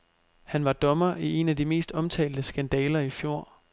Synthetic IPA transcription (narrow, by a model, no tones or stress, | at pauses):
hænʋɑ̈d̥ɒ̽mɐʔie̝næd̥ime̝̰ːsd̥ɒ̽mt͡sʰɛ̰ːld̥əsɡ̥ænd̥ɛːlɐifjo̝ɐ̰